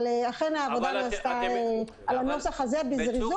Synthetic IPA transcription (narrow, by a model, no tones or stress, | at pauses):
leaχe̞naːvo̞d̪anaːstae | alanosaχazebizʁiz